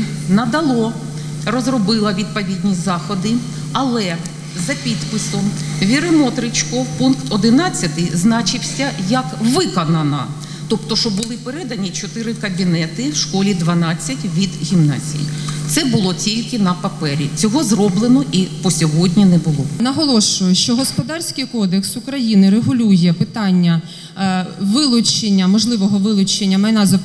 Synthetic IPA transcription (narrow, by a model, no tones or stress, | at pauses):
nɐd̪ɐlˠɔ | rɔzrɔbɪlˠɐʋʲid̪̚pɔʋʲid̪ʲnʲizɑxɔd̪ɪ | ɐlˠɛ | zɐpʲid̪pɪsɔmʋʲiɾɪmɔt̪ɾɪt͡ʃkɔpunkt̪ɔd̪ɪnɑt͡sʲːɐt̪ɪznɑt͡ʃɪwsʲɐjɐkʋɪkɔnɐnɐ̰ | t̪ɔpt̪ɔʃɔbʊlˠɪpeɾɛd̪ɐnʲit͡ʃɔt̪ɪɾɪkɐbʲinɛt̪ɪwʃkɔlʲid̪ʋɐnɑt͡sʲːɐtʲʋʲid̪ɦʲimnɑ̰zʲḭjḭt̪sɛbʊlˠɔtʲilʲkɪnɐpɐpɛɾʲḭt͡sʲɔɦɔzrɔblˠɪnɔʔipɔsʲɔɦɔdʲnʲinɛbʊlˠɔnɐɦɔlˠɔʃʊjʊʃt͡ʃɔɦɔspɔd̪ɑrʲsʲkɪjkɔd̪eksʊkɾɐjinɪɾeɦʊlʲujɛpɪt̪ɑnʲːɐ | ʋɪlˠʊt͡ʃːenʲːɐmɔʒlˠɪʋɔɦɔʋɪlˠʊt͡ʃenʲːɐmɐjnɑzɐ